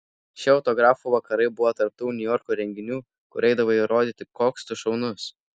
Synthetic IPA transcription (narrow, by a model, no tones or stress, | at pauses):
ʃʲɪɒʊt̪ɔɡɾɑːfuːʋɐkɐɾɐɪbʊʋot̪ɐɾp̚t̪uːnʲʊjɔɾkuːɾʲɛŋʲɡʲɪnʲuː | kʊɾʲɛɪd̪ɐʋoɪɾoːd̪ʲiːt̪ʲɪkoːkst̪ʊʃɒʊnʊs